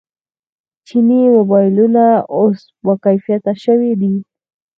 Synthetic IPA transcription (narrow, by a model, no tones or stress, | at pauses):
t͡ʃɪnimobajlʊnaos | wakajfijat̪aʃawɪɾi